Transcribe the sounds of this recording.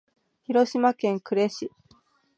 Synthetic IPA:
çiɾo̞ɕimakẽ̞ŋkɯ̟ɾe̞ɕi

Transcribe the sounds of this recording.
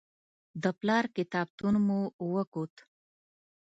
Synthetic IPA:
d̪əplɑɾkɪt̪ɑb̚t̪unmuwəkot̪

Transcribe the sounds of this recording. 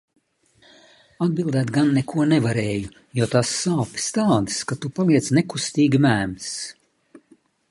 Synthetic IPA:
ad̪̚bilˠd̪ɛːt̪ɡanːɛkʰuɔnɛvaɾɛːju | juɔt̪asːaːpʲi̥st̪aːd̪ɨskat̪upalˠiɛsnɛkust̪iːɡimæːms

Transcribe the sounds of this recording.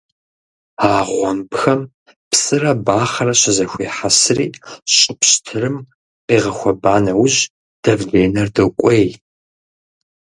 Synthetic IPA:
aːʁʷɔmbxɐm | psʼɨrɐbaːχɐrɐɕɪzɐxʷeːħasriːɕʼɪpɕtʰɨrɨm | qeːʁɐxʷɐbaːnɐwʊʑ | d̥ɐvɮeːnɐrdɨkʷʼej

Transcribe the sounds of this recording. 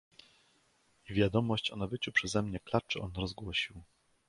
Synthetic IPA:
ivʲjad̪ɔmɔɕt͡ɕɔnabɘt͡ɕupʂɛzɛmɲɛklat͡ʂɘɔnɾɔzɡwɔɕiw

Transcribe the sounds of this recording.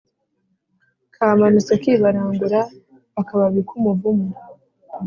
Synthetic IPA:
kʰaːmanusakiβaɾaːŋɡuɾa | βakaβaβikʰumuvumu

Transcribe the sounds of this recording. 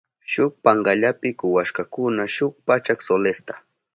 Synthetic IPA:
ʃʊk̚paɴɡaʎapɪkʊwaʃkakʊnaʃʊk̚pat͡ʃaksolest̪ḁ

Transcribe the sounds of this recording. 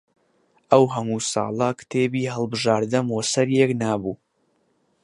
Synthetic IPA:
ʔəwɦɐmuːsɑ̰ːlˠəkt̪ʰeːbiːɦəlˠbɨʒaːɾd̪ɨmwɐsɐɾjeknaːbuː

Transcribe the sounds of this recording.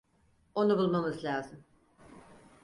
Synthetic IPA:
o̞nubulˠmamɯzlʲaːzɯm

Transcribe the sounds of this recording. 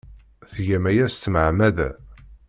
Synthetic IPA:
θʝæmæjæst̪ːməʕmæðæ̰

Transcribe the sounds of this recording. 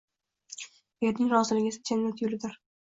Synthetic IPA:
je̞ɾnɪŋɾɒzɪlɪɡʲɪsɪ̥t͡ʃ̪ʰenːat̪ʰjʊlɪd̪ɪɾ

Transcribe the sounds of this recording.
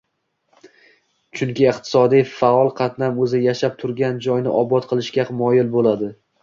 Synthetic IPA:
t͡ʃʰʊŋkʲɪɪqt̪ʰɪ̥sɒd̪ijfaɒlˠqʰɑt̪namɵzɪjaʃap̚t̪ʰʊɾɡʲand͡ʒɒjnɪʔɒbɒt̪qʰɨlˠɪʃkʲamɒjɪlbolad̪ɪ

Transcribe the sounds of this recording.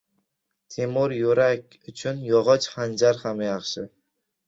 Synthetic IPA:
t̪ʰemʊɾjoɾakʲʊt͡ʃʰʊnjɒʁɒt͡ʃχand͡ʒaɾhamjɑχʃɪ

